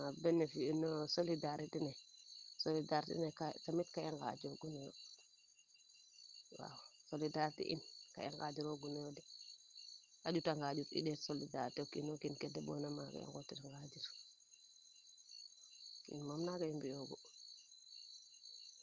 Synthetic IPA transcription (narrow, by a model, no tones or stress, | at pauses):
abɛnːɛfinɔsolidaɾitinɛsolidaɾtḭnɛkatamitkajɛŋɡa̰d͡ʒɔɡunɛjɔ̰ | wa̰wsolidaɾtḭʔḭnka̰jɛ̰ŋɡa̰d͡ʒiɾoɡunɛjɔdɛ | ad͡ʒutaŋɡad͡ʒuɾḭɗɛsolidaɾtɛkinokinkɛdɛbɔ̰namaka̰jɛ̰ŋɡɔtiɾaŋɡad͡ʒiɾ | kḭnmamnakaimbijoɡɔ